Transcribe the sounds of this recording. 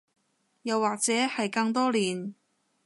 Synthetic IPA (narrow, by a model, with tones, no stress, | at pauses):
jɐ˨˩wːaː˨k̚t͡sɛː˨˥hɐ˨jkɐ˧ŋt̪ɔː˥liː˨˩n